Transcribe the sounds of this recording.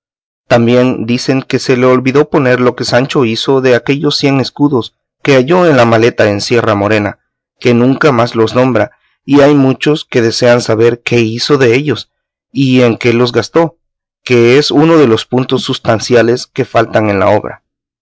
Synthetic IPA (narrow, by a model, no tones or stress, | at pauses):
t̪ambje̞nd̪ise̞ŋke̞se̞leolβiðo̞po̞ne̞ɾlo̞ke̞sant͡ʃo̞iso̞ðe̞ake̞ʝo̞sːje̞ŋe̞skuðo̞s | ke̞aʝo̞enlamale̞t̪aensje̞ramo̞ɾe̞na̰ | ke̞nũŋkamazlo̞snõ̞mbɾa | iajmut͡ʃo̞ske̞ðe̞se̞ansaβe̞ɾke̞iso̞ðe̞e̞ʝos | ie̞ŋke̞lo̞zɣast̪o̞ | ke̞esuno̞ðe̞lo̞spunt̪o̞sːust̪ansjale̞ske̞falt̪aŋe̞nla̰o̞̰βɾa̰